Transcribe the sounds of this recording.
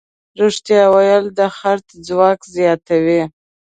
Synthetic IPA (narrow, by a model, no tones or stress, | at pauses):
ɾuʂt̪jɑwajəld̪əxaɾt̪d͡zwɑkzjɑt̪awi